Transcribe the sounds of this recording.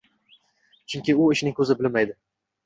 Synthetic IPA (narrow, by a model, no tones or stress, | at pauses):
t͡ʃʰʊŋkʲɪʊɪʃnɪŋkʰɵzɪbɪlmajd̪ɪ